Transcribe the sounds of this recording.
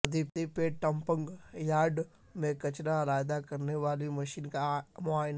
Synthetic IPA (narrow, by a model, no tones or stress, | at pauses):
d̪ip̚t̪ipeʈɐmpə̃ŋɡjaːɾɖ | mẽkɐt͡ʃnaɾaːjd̪akɐɾneʋaːlimɐʃiːnkamʊaːjn